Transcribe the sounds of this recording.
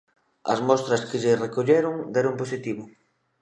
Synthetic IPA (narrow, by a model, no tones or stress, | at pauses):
ɐ̰zmɔst̪ɾɐskɪʎɪrekoʎeɾʊŋd̪ɛɾomposit̪iβʊ